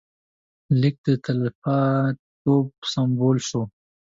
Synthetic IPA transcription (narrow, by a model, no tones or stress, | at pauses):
lɪk̚d̪ət̪alfat̪opsamboːlʃo